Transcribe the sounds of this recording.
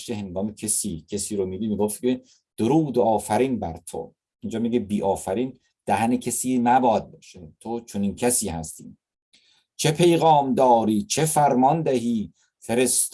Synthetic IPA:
ʃkʰeɦeŋɡɒːmecʰesiːcʰesiːɾomiːbimiːɡoft̪̚ke | d̪̥oɾuːd̪oɒːfæɾiːnbæɾt̪ʰo̰ | ind͡ʒɒːmiɡebiːʔɒːfæɾiːn | d̪̥æhænecʰesiːnæbɒːd̪̚beʃet̪ʰot͡ʃʰoniːncʰæsiːhæst̪iː | t͡ʃʰepʰe̞jɣɒːmd̪ɒːɾiːt͡ʃʰefæɾmɒnd̪æɦiː | feɾest̪

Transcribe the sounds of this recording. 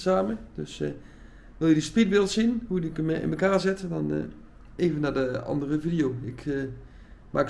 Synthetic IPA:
saːməd̥øs | ʋɪlˠjədəspitʋɪlˠtsinhudikmɪ̰nməkaːrzɪtədɔn̰ | eːvənːadəɑ̰ndərəvidijoːɪkʰ | maːk

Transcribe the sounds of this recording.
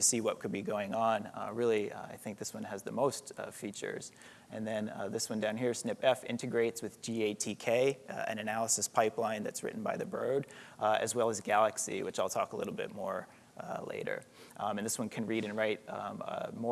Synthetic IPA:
tɨsiwʌt̚kʰɨd̚biɡoʊɪ̃ŋə̃nɹɪlˠiaɪθɪ̃ŋk̚ðɪswʌ̃nɨzðɨmoʊstfit͡ʃə̰˞z̥ | ɨ̃nðɨ̃nðɪswʌ̃ndãʊ̃nɦiɹsnɪpɛfɪ̰̃ntɨɡɹeɪtswɨðd͡ʒieɪtʰikʰeɪɨ̰̃nɨnælˠəsɨspʰaɪplãɪ̃nðɨ̰tsɹɪ̰ʔn̩baɪðɨbɹo̰ʊdɨ̰zwɛlˠəzɡælˠɨksḭwɨt͡ʃaɪlˠtʰɔkəlɪ̰ɾl̩ˠbɪ̰t̚mɔɹ | lḛɪɾə̰˞ | ɨ̃nðɪswʌ̃nkʰɨ̃nɹiɾɨ̃nɹaɪt̚ | mɔ

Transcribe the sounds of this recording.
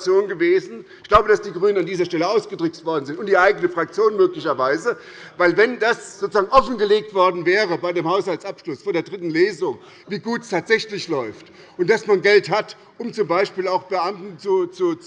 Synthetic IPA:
t͡sjoːnɡəveːzn̩ɪçɡ̥laʊbədasd̥iːɡʁyːnənandiːzɐʃtɛləaʊsɡ̥ədʁʏk̚tv̥ɔɐdn̩zɪntʊntd̥iːʔaɪɡənəfʁ̥ak̚t͡sjoːnmøːklɪçɐvaɪzə | vaɪlvɛndasz̥oːt͡suz̥aːɡŋʔɔfn̩ɡəleːk̚tv̥ɔɐdn̩vɛːʁ̞əbaɪdeːmhaʊshaltt͡sʔapʃlʊsfoːɐdeːɐdʁɪtn̩leːzʊŋ | viːɡuːtstʰaːtz̥ɛçlɪçlɔʏft | ʔʊntd̥asmanɡɛlthat | ʔʊmt͡sʊmbaɪʃpiːlaʊxb̥əʔamtn̩t͡sut͡su

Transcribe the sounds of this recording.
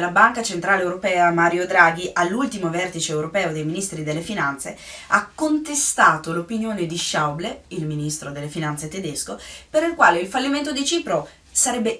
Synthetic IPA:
labaŋkat͡ʃent̪ɾaːleːwɾopɛːamaːɾjod̪ɾaːɡ̟iʔalːult̪imovɛrt̪it͡ʃeːwɾopɛːod̪ejminist̪ɾid̪elːefinant̪se | akːont̪est̪aːt̪olopinjoːned̪iʃawbleilminist̪ɾod̪elːefinant̪set̪ed̪eskopeɾilkwaːleilfalːiment̪̬od̪it͡ʃiːpɾo | saɾɛbːe

